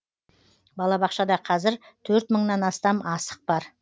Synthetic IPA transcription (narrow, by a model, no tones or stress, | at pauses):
bɑlˠɑbɑqʃɑd̪ɑqʰɑzɪɾt̪ʰɵɾt̪məɴnɑnɑst̪ɑmɑsə̥q̚bɑɾ